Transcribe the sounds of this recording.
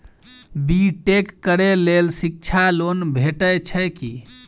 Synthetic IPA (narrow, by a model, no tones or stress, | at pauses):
biʈekːəɾelelsik̚t͡ʃʰalonbʱeʈəjt͡ʃʰəki